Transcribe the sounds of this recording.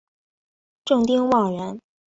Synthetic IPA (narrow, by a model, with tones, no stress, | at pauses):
ʈ͡ʂɤ˥˩ŋt̪i˥ŋwɑ˨˩ŋɻə˧˥n